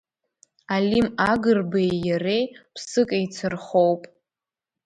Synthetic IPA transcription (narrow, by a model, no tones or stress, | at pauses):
alimaɡɨrbejjarejpʰsɨkʼejt͡sʰɨrχo̞wpʼ